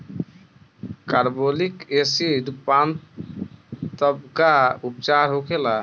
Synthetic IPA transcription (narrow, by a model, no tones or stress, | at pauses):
kaɾbolikesiɖpan | t̪ɔb̚ɡaupt͡ʃaɾɦokʰela